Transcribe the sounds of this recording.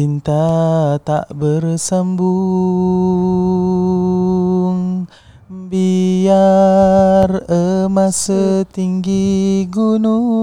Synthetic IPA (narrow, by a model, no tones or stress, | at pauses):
int̪at̪a̰ʔbərsambu | ŋ | bia | rəmasət̪iŋɡiɡunu